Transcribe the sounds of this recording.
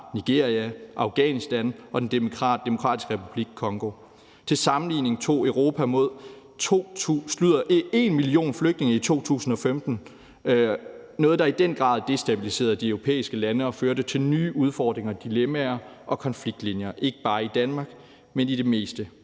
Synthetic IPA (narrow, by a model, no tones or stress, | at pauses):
niɡ̥e̝ɐ̰ʁiæʔɑ̈ʊɡ̥ɛnisd̥ænɒ̽d̥end̥e̝mo̝kʰʁɑ̥̈d̥e̝mo̝kʰʁɑ̰̈ːd̥isɡ̥ʁɛpʰub̥liɡ̥̚kʰɒ̽ŋɡ̥o̝ | t͡sʰe̝lsɑ̈mn̩lḭːne̝ŋ̩t͡sʰo̝̰ːəʊʁo̝ːpʰæmo̝ð̞̰ˠʰ | osluð̰ˠɐʔe̝nmilio̝̰ːnfløɡ̥̚dne̝ŋɐit͡sʰo̝̰ːt͡sʰṵːsn̩ɒ̽femd̥n̩ | nɔ̽ːð̩ˠd̥ɑ̈id̥en̰ɡ̥ʁɑ̰̈ːðˠd̥e̝sd̥æb̥ilise̝̰ːɐð̩ˠd̥iœʊʁo̝pʰḛːisɡ̥əlænəɒ̽føɐɾ̥ət͡sʰe̝lnyːʔuð̞ˠfɒːd̥ʁeŋɐd̥ilemæɐʔɒ̽kʰɒ̽nfliɡ̥̚d̥linjɐʔe̝ɡ̥ə̥b̥ɑ̈ːid̥ænmɑ̈ːɡ̥ | meniɾ̥e̝me̝̰ːsd̥ə